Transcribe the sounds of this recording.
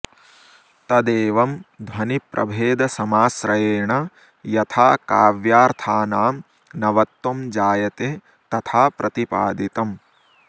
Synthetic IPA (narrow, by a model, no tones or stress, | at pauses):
t̪ɐd̪eːʋɐmd̪ʱwɐnipɾʔɐ̰bʱeːd̪ɐsɐmaːsɾɐjeːɳɐ | jɐt̪ʰaːkaːʋjaːɾt̪ʰaːnaːm | nɐʋɐt̪wɐmd͡ʒaːjɐt̪eː | t̪ɐt̪ʰaːpɾʔɐt̪ipaːd̪it̪ɐm